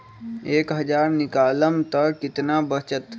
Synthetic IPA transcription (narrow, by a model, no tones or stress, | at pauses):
eːkɦəd͡ʒaɾnikaləmt̪əkɪt̪nabət͡ʃət̪